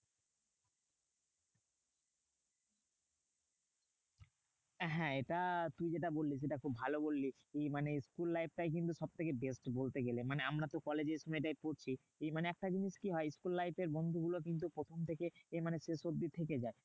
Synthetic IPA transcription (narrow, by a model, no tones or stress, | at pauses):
ɦɛ̃eʈat̪uid͡ʑeʈabolːiseʈakʰubʱalobolːi | emaneskulːajp̚ʈajk̬int̪uʃɔb̚t̪ʰekebesʈbolt̪eɡelemaneamɾat̪okɔled͡ʑeɾʃɔmɔʈajpoɾt͡ɕʰi | maneɛk̚ʈad͡ʑiniʃkiɦɔeskulːajpeɾbond̪ʱuɡulok̬int̪̬upɾot̪ʰomt̪ʰekeemaneʃeʃod̪it̪ʰeked͡ʑae